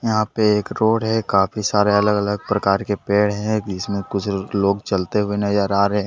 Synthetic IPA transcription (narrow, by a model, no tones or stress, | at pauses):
jɐɦãpeeːkɾoːɽɦɛkaːfʰisaːɾeɐləɡɐləɡ̚pɾɐkaːɾkepeːɽɦɛ̃d͡ʒɪsmẽkʊt͡ʃʰloːɡt͡ʃɐlt̪eɦʊenɐjaːɾaːɾɦe